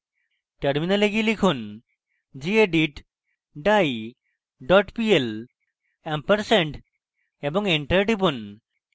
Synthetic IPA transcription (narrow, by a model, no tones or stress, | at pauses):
ʈəɾminaleɡilikʰun | d͡ʑieɖiʈ | ɖaj | ɖɔʈpiel | empəɾseɳʈ | eboŋeɳʈəɾɖibun